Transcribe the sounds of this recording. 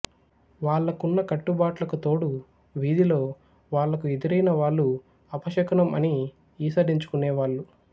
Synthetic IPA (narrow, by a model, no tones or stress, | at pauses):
ʋaːɭːɐkunːɐkɐʈːubaːʈlɐkut̪o̞ːɽu | ʋiːd̪ilo̞ː | ʋaːɭːɐkued̪uɾɐjnɐʋaːɭːu | ɐpɐʃɐkɐnɐmɐni | iːsɐɾiɲt͡ʃu̥kuneːʋaːɭːu